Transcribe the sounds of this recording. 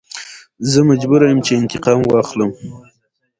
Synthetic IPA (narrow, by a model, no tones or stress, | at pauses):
zəmad͡ʒbuɾajəmt͡ʃeɪnt̪ɪqɑmwɑxləm